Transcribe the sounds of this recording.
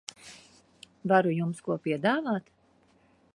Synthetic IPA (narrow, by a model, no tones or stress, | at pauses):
vaɾujumskuɔpiɛd̪aːvaːt̪